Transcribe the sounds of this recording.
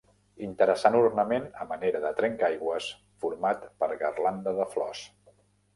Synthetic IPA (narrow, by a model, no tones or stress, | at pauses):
int̪əɾəsanuɾnəmenəməneɾəðət̪ɾɛŋkajɣwəs | fuɾmat̪pəɾɣərland̪əðəflɔ̰s